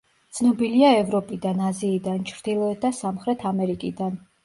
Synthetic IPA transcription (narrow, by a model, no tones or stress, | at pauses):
t̪sʰnɔbiliaɛvɾɔpʼid̪anaziːd̪ant͡ʃʰɾd̪ilˠɔɛt̪̚d̪asamχɾɛt̪ʰamɛɾikʼid̪an